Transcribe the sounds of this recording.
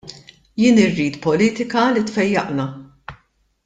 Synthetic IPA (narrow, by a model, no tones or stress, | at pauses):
jɪːnɪrːiːt̪pɔliːt̪ɪkɐlit̪fɛjːɐʔnɐ